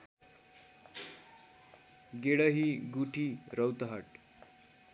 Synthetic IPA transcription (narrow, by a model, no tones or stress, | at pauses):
ɡeɽəɦiɡuʈʰiɾəwt̪ɦəʈ